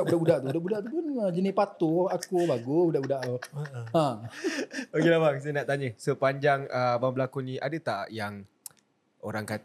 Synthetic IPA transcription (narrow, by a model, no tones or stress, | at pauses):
aʔbudaʔbudaʔt̪ubudaʔbudaʔt̪upʊnəd͡ʒənɪʔpat̪uakubaɡubudaʔbudaʔt̪uã | okelabaŋsanaʔt̪aɲəsəpaɲd͡ʒaŋəbaŋbəlakunĩʔa̰dət̪aʔʔjaŋ | o̰ɾaŋkat̪